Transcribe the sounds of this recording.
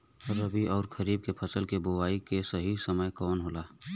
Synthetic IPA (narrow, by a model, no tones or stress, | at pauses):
əɾəbʱiɔːɾkʰəɾiːb̚kepʰəsəlkeboʋaːikesəɦisəməjkɔːnɦoːlaː